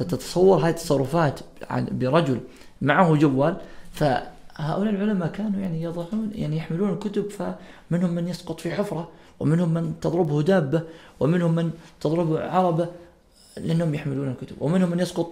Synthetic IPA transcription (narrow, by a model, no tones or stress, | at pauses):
at̪ɑt̪ɑ̥sˤɑwːɑɾˤɦaːjat̪ːɑsˤɑrˤːʊfaːt̪ʕ̰bɪɾˤɑd͡ʒʊl | maʕahʊd͡ʒawːaːlfa̰haːʔʊlaːlʕʊlamakaːnujaʕnijɑðˤɑħuːnja̰ʕnijaħmɪluːnalkʊt̪ʊbfamɪnhʊmːɪnjɑsqʊt̪ˤfiħʊfɾˤɑ | wɪmɪnhʊmːɪnt̪ɑðˤɾɪbhʊd̪aːbːawɪmɪnhʊmːɪnt̪ɑðˤɾɪbhʕɑɾˤɑba | lɪʔanːhʊmjaħmɪluːnalkʊt̪ʊbwɪmɪnhʊmːanjɑsqʊt̪ˤ